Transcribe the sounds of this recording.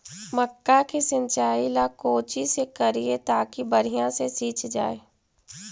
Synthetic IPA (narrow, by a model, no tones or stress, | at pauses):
məkːakisɪ̃nt͡ʃaːilakoːt͡ʃisekɐɾiet̪aːkibɐɾ̤ijãsesiːt͡ʃd͡ʒa̰ːeː